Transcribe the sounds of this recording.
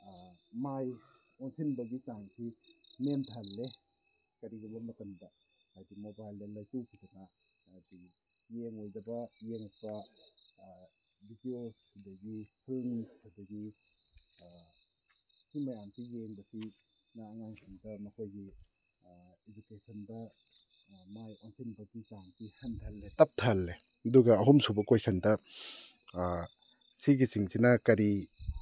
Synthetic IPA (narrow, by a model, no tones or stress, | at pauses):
amaj | ɔntʰinbaɡit͡ʃaŋtʰiment̪ʰalːe | kaɾiɡɯmamət̪ɯnba | hajdimobajldalajtukʰitɯna | ati | jeŋojzabajeŋpa | bidiokʰdəɡipʰɯŋkʰɯdaɡi | simɐjampieŋbɐsi | naːŋaŋsiŋdɐmɐkʰojɡi | ed͡ʒukesɐndɐ | majoŋsʰinbɐɡikaŋpihantʰalːetɐp̚tʰalːe | ɐduɡɐɐɦumsubɐkojsʰɐndɐ | siɡisiŋsinɐkɐɾi